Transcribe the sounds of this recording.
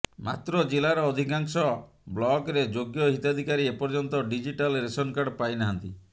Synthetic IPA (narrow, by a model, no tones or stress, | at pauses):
ma̰t̪ɾɔd͡ʒelaɾɔːd̪ʱikaŋsɔ | blɔɡɾed͡ʒoɡjɔɦit̪ad̪ʱikaɾiepɔɾd͡ʒɔnt̪ɔɖid͡ʒiʈalɾesɔnkaɖpajnaɦant̪i